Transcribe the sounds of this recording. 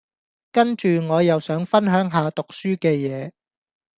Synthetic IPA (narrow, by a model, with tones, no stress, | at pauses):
kɐ˥nt͡ʃyː˨ŋɔː˨˧jɐ˨wsœː˨˥ŋfɐ˥nɦœː˨˥ŋɦaː˨˧t̪ʊ˨k̚syː˥kɛː˧jɛː˨˧